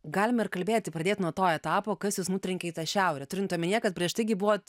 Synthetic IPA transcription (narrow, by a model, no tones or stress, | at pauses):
ɡɑːlʲɪmɐɪrkɐlʲbʲeːt̪ʲɪprɐdʲeːt̪ʲnuɔt̪oːɛt̪ɑːpoːkɐsjuːsnut̪ʲɾʲɪŋʲkʲɛit̪ɑʃʲɛʊɾʲɛtʊɾʲɪnt̪omʲɪnʲiɛkɐt̪̚pʲɾʲiɛʃt̪ɐɪɡʲɪbuʋoːt̪